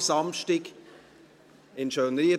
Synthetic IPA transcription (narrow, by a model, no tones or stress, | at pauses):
sɑmʃtɪk | ɪnʃøːnɾiə